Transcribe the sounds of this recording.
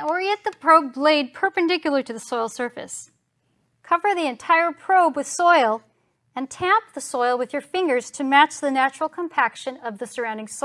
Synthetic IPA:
ə˞jɛt̪̚ðəpʰɹ̥oʊbleɪd̚pʰə˞pɨ̃ndɪkjl̩ˠə˞ɾɨðɨsɔɪlˠsɜ˞fɨ̰s | kʰʌvə˞ðiɨ̃ntʰaɪə˞pʰɹ̥oʊbwɨð̥sɔɪlˠ | ɨ̃ntʰæ̃mp̚ðəsɔɪlˠwɨðjə˞fɪ̃ŋɡə˞z̥tʰɨmæt͡ʃðɨnæt͡ʃɹl̩ˠkʰə̃m̩pʰækʃɨ̃nʌvðɨsə˞ãʊ̃ndɪ̃ŋsɔ

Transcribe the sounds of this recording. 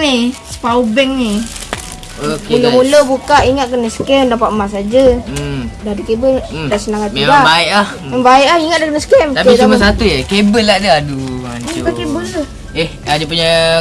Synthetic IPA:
nisə̥pawbɛŋni | okuləmuləbukaʔiŋat̪̚kənəsə̥kɛmdapaʔəmas̬ad͡ʒə | dahdəkebəldaʔsənaŋat̪ilaaiʔlah | ɛbaiʔlahiŋat̪̚daʔkənəskɛmt̪aisumasat̪uekebəladaaduabəkebə | ɛhad͡ʒap̬uɲa

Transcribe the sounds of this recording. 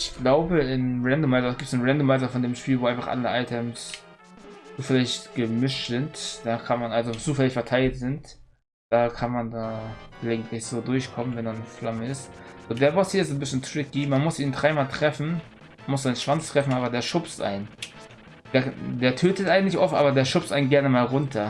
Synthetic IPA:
ɪçɡ̥laʊbəɪnʁɛndomaɪzɐɡiːp̚tsnʁɛndomaɪzɐfɔndeːmʃpiːlvoːaɪnfaχʔa̰ləʔa̰ɪtʰɛms | t͡suːfɛlɪçtɡ̥əmɪʃtz̥ɪntd̥aːkʰanmanalzot͡suːfɛlɪçfɛɐtʰaɪltz̥ɪnt | d̥aːkʰanmandaːlaɪɡŋ̩tlɪçz̥oːdʊɐçkʰɔmənvɛndaːnəflaməɪstzoːdeːɐbastiɐɪsnbɪsçəntʁ̥ɪkimanmʊsʔiːndʁaɪmaːltʁ̥ɛfn̩ | anmʊsaɪnnʃv̥ant͡stʁ̥ɛfn̩ʔaːbɐdeːɐʃʊpstʔa̰ɪn | d̥eːɐd̥eːɐtʰøːtətʔaɪɡŋ̩tlɪçʔɔftʔa̰ːbɐdeːɐʃʊpstʔaɪnɡɛɐnəmaːlʁʊntʰɐ

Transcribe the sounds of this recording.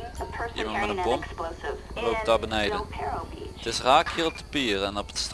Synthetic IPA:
ʔḭmɑntmɛtənbɔmsolowp̚dabənɛjdəɛɹtɪsraːkiːrɔp̚dəpiːrɛnɔpə̥tst

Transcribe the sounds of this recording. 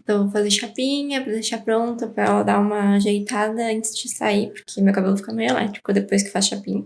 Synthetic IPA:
t̪ɐ̃w̃vofazeɾʃapĩɲɐpɾɐd̪eʃapɾõnt̪ʊpɾɐɛlɐd̪aũmɐʒejt̪ad̪ɐɐ̃nt͡ʃɪzd͡ʒɪsa̰ipoɾkʰemewkabelʊfikɐnelɛ̰t͡ʃi̥kʊd̪epojs̬kɪ̥fasʃapĩɲɐ

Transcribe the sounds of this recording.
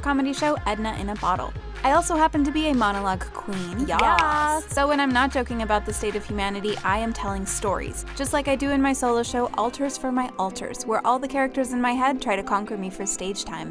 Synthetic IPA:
kʰɑmɨɾiʃoʊʔɛdⁿnəʔɨ̰̃nəbɑɾl̩ˠ | aɪɔlˠsoʊɦæpɨ̃n̩tɨbiɨmɑñəlɑɡkʰw̥ĩnjjɛsoʊwə̃ɾ̃ãɪ̃mnət̚ʒ̥oʊkɪ̃ŋɨbaʊt̪̚ðɨsteɪɾʌv̥hjʉmænɨɾiʔaɪɨ̃mtʰɛlˠɪ̃ŋstɔ̰ɹḭz̥d͡ʒʌstˡlaɪkaɪdɨɨ̃nmaɪsoʊlˠoʊʃoʊʔɔ̰lˠtʰə˞z̥fə˞maɪʔɔlˠtʰə̰˞z̥wə˞ʔɔlˠðɨkʰɛɹɨk̚tə˞zɨ̃nmaɪɦɛd̚tʰɹ̥aɪɾɨkʰɑ̃ŋkə˞mifə˞steɪd̥ʒ̥tʰãɪ̃m

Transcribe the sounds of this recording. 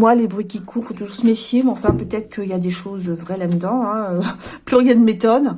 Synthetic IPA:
mwalebʁɥikʲikʰuʁfot̪uʒuʁsəmefjemɛɑ̃fɛ̃pøt̪ɛt̪χə̥kəiljad̪eʃozvʁɛlad̪əd̪ɑ̃ɛ̃øplyʁjɛ̃d̪met̪ɔn

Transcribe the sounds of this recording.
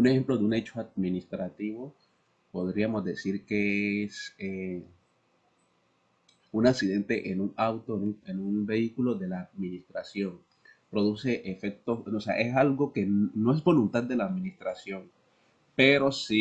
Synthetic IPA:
une̞xe̞mplo̞ðeune̞t͡ʃoad̪minist̪ɾat̪iβo̞ | po̞ðɾiamo̞zd̪e̞siɾkeese | unaksiðe̞nt̪e̞ʔenuŋawt̪o̞nuenunbe̞ikulo̞ðe̞laːd̪minist̪ɾasjo̞ŋ | pɾo̞ðuse̞ʔefe̞k̚t̪o̞sosea̰ʔe̞salɡo̞ke̞nno̞e̞zbo̞lunt̪ad̪̚d̪e̞laːd̪minist̪ɾasjo̞ŋ | peɾo̞si

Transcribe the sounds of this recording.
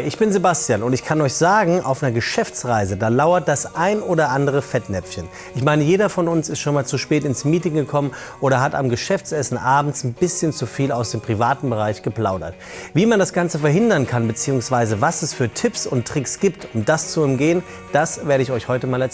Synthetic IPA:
ʔɪçb̥ɪnzebastjaːnʊntɪçkʰanɔʏçz̥aːɡŋ̩ʔa̰ʊfnɐɡəʃɛft͡sʁaɪzədaːlaʊɐt̚d̥asʔaɪnʔoːɾɐʔandəʁ̞əfɛtnɛpp͡fçən | ʔɪçmaɪnəjeːdɐfɔnʊnsɪstʃoːnmaːlt͡suʃpɛːtɪnsmiːtɪŋɡəkʰɔmənʔoːɾɐɦata̰mɡəʃɛft͡sɛsn̩ʔaːbm̩t͡sn̩bɪsçənt͡sufiːlaʊsd̥eːmpʁ̥ivaːtn̩bəʁ̞aɪçɡ̥əpl̥aʊdɐ̰t | viːmandasɡ̥ant͡səfɛɐɦɪndɐnkʰanbət͡siːʊŋsv̥aɪzəvasɛsfyːɐtʰɪpsʊntʁ̥ɪksɡ̥iːp̚tʰʊmdast͡suɛmɡeːən | d̥asveːɐɾəɪçɔʏçhɔʏtəmaːlɛ

